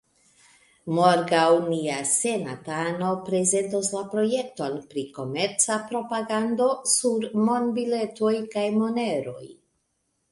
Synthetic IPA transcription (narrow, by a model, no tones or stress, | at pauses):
moɾɡawniase̞na̰tano̞pɾe̞ze̞ntoslapɾo̞je̞k̚to̞npɾiko̞me̞ɾt͡sapɾo̞paɡando̞suɾmo̞nbile̞to̞jkajmo̞ne̞ɾo̞̰j